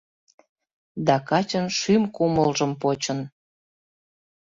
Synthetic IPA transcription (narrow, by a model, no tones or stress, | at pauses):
d̪ɑkɑt͡ɕənʃymkuməlʒəmpot͡ɕən